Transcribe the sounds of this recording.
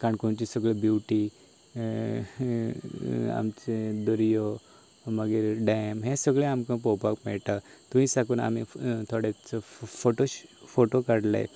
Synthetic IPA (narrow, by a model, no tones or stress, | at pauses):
kaɳkont͡ɕisəɡɭebjuʋʈi | a̰mt͡ɕed̪əɾjo | məɡiɾɖamɦẽsəɡɭẽamkãpɔwpakmɛɭʈat̪uĩsakuːna̰mit̪ʰoɽet͡sfoʈofoʈokaɽla̰j̰